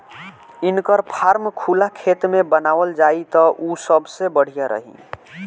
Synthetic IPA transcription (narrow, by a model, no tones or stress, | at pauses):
inkəɾpʰaɾmkʰulakʰet̪mebənawəld͡ʒait̪ɔʔusəbʱsebəɽ̤ijaɾʔə̰ɦḭ̃